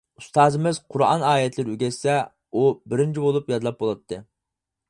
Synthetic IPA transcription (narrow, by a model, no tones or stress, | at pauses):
ust̪ɑːzɨmɪzqʰʊɾɑ̰nɑːjɛt̪ʰlɪɾɪyɡʲɛsːɛ | ubɪɾɪnt͡ʃʰibolˠupjɑd̪lˠɑp̚bolˠɑt̪ʰːɨ